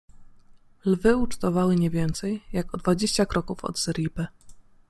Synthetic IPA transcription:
lvɘut͡ʂt̪ɔvawɘɲɛvʲjɛnt̪sɛjjakɔd̪vad͡ʑeɕt͡ɕakɾɔkufɔ̰d̪z̥ɛɾʲipɘ

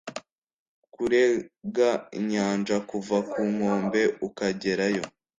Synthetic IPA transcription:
kuɾeɡaiɲaːnd͡ʒakuvakuŋo̞ːmbe̞ukaɟe̞ɾajo̞

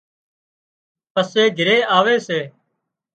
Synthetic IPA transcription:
pəseːɡʱɪɾeːʔaːʋeːseː

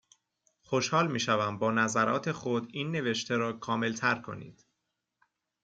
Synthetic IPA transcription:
xo̞ʃhɒːlmiːʃævæmbɒːnæzæɾɒ̰ːt̪ʰe̞xo̞d̪iːnːe̞ve̞ʃt̪ʰe̞ɾɒːkʰɒːme̞lt̪ʰæɾkʰo̞̰nḭːd̪̥

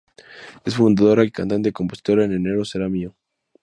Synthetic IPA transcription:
e̞sfund̪aðo̞ɾaelkant̪aneeko̞mpo̞si̥t̪o̞ɾaenene̞ɾoseɾamio

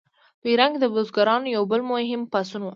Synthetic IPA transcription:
piɾaŋɡd̪əbozɡaɾɑnojawbəlmoɦɪmpasunu

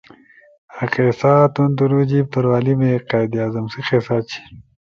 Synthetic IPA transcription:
aqeːsaːt̪und̪uɾud͡ʑib̚t̪ɐɾwaːlimeqaːjd̪jaːzɐmsiqeːsaːt͡ɕʰi̥

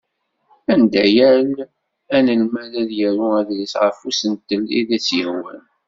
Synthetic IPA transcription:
ænd̪æjæl | ænəlmæðæðjəɾuæðlisʕəfusənt̪ːəliðæt͡sːjəhwæ̰n

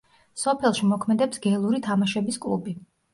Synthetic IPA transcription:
sɔpʰɛlˠʃimɔkʰmɛd̪ɛpsɡɛlˠuɾit̪ʰamaʃɛbiskʼlˠṵbi

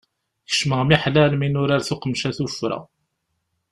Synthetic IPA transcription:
θə̥ʃməʁmiħlælminʊɾaɾθʊqəmʃæθufɾæ̰

